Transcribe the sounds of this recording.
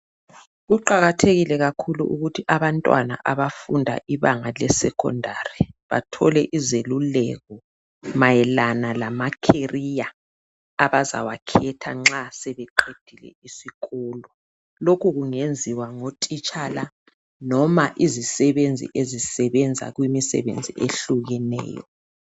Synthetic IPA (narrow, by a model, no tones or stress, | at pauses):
ɣuǃaɣatʰeɣilɛɣakʰulṵʔuɣutʰiʔaβantʼwa̰na̰ʔaβafundʱa̰ʔiβaŋalɛsɛ̰kʰɔ̰ndʱariβa̰tʰɔlɛʔizelulɛɣɔ | majɛlanalamakʰerija | aβaza̰wakʰɛtʰa̰ŋ͡ǁasɛβɛǃʰed̥ʱilɛ̰isiɣɔːlɔ | lokʰuɣuŋend͡zʱiwaŋotʼit͡ʃʰʼala | nɔmaʔizisɛβend͡zʱḭʔezisɛβɛnd͡zʱa̰ɣwimisɛ̰βḛnd͡zʱḭʔeɬuɣɛnɛ̰ːjɔ̰